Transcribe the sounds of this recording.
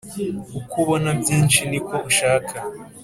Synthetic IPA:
ukʰuβonabjiːnʃiniko̞uʃaːkʰa

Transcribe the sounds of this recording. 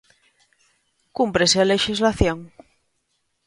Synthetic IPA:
kumpɾesealeʃizlaθjoŋ

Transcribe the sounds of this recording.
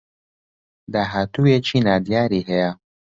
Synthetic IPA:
d̪aːɦaːt̪ujet͡ʃʰinaːd̪ijaːɾiːɦɛja

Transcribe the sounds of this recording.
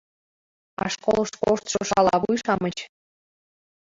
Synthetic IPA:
ɑ̰ʃkolˠəʃkoʃt̪ʃoʃɑlˠɑβujʃɑmət͡ɕ

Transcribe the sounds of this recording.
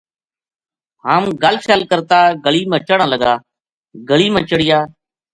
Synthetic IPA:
haːmɡaːlsaːlkəɾt̪aːɡəɭiːmə̃ːt͡ʃəɽãːləɡaː | ɡəɭiːmə̃ːt͡ʃəɽiːaː

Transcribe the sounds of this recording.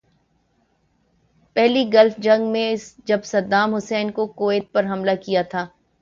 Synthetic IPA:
pɛɦliɡɐlfd͡ʒɐ̃ŋɡmẽɪsd͡ʒɐbsɐd̪aːmɦʊsɛːnkokoːeɪt̪̚pɐɾɦɐmlakijat̪ʰaː

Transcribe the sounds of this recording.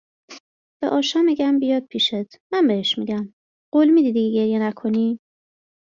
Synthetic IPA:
b̥ḛʔɒːʃɒːmiɟæmbijɒːd̪̚pʰiːʃet̪ʰmæmbeheʃmiɟæm | ɢ̥olmiːd̪id̪iɡeɟe̞ɾjenækʰo̞ni

